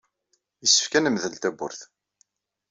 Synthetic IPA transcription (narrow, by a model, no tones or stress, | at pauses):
jəsːə̥fkænəmðəlt̪æbʊ̰ɾθ